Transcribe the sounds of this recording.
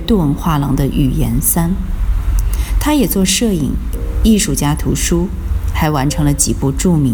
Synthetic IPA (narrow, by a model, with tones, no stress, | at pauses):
t̪wɔ˥˩˧ŋxwa˥˩lɑ˧˥ŋd̪ə˧ʔy̰˨˩jɛ̰˧˥nsa˥n | t̪ʰa˥jɛ˨˩t͡swɔ˥˧ʂɤ˥˩ḭ˨˩˦ŋi˥˧ʂu˥˩t͡ɕja˥t̪ʰu˧˥ʂu˥ | xa˧˥ɪwa˧˥nʈ͡ʂʰɤ˧˥ŋlə˧t͡ɕi˨˩pu˥˧ʈ͡ʂu˥˩mi˧˥